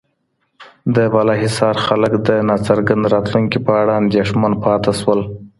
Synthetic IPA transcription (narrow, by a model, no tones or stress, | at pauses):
d̪əbalɑɦisɑɾxaləkd̪ənɑt͡saɾɡand̪ɾɑt̪luŋkipəaɽaand̪eʂmanpɑt̪aʃwəl